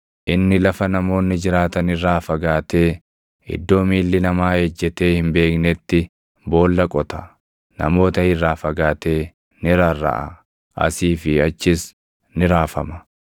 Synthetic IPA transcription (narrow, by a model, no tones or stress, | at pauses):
ʔɪnːɪlɐfɐnɐmo̞ːnːɪd͡ʒɪɾaːt̪ɐnɪrːaːfɐɡaːt̪e̞ː | ɪ̰d̪ːo̞ːmiːlːɪnɐmaːhed͡ʒːɛt̪e̞ːhɪmbe̞ːknɛt̪ːɪ | bo̞ːlːɐkʼɔt̪ɐ̥ | nɐ̰mo̞ːt̪ɐhɪrːaːfɐɡaːt̪eː | nɪɾarːɐ̰ʔɐ̰ | ʔɐ̰siːfɪɐt͡ʃːɪs | nɪɾaːfɐmɐ